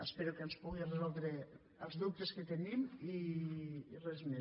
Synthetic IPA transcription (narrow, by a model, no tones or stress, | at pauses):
espeɾukenspuɣirezɔlˠd̪ɾe | əlzðup̚t̪esket̪enimiː | rezme